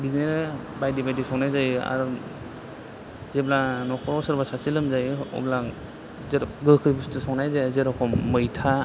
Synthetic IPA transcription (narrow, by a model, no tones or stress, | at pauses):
bineɾbajdibajdisɔknajzaja̰ɾ | zeblanɔkʰɔɾɔsɯɾbasasilɯmzajɔ̰bla | zeɾɡɯkʰɯjbustɯsɔknajzajzeɾɔkʰɔmɯjtʰa